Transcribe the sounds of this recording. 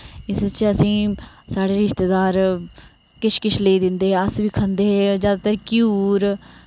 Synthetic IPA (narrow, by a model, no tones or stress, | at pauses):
ɪst͡ʃəsĩːsaːɽeːɾɪʃt̪eːd̪aːɾ | kɪt͡ʃʰkɪt͡ʃʰleiːd̪ɪnd̪eːɦɛːəsʋiːkʰənd̪eːɦɛzjaːd̪aːt̪əɾkjuːɾ